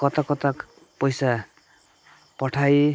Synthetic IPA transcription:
kʌt̪akʌt̪ak | pʌjsa | pʌʈʰaj

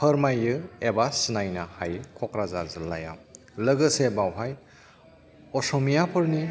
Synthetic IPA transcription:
pʰəɾmajɯebasɯnajnahajkʰɔkɾazazɯlːa̰ja̰m | lɯɡɯsebawɦaj | ɔsɔmijapʰɯɾni

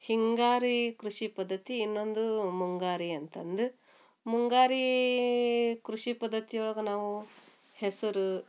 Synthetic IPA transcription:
hiŋɡaːɾikɾuʂipɐd̪ːɐt̪iːnːo̞nd̪umuŋɡaːɾiɐnt̪ɐnd̪u | muŋɡaːɾi | kɾuʂipɐd̪ːɐt̪ijoɭɐɡɐnaːʋu | hesɐɾu

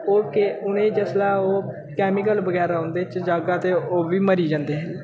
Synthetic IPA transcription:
oːkeʊnẽːd͡ʒəslaːoː | kɛːmɪk̬əlbəɡɛːɾaõːnd̪eːt͡ʃd͡ʒaːɡaːt̪eːoːʋiːməɾiːd͡ʒãːnd̪eːɦɛ

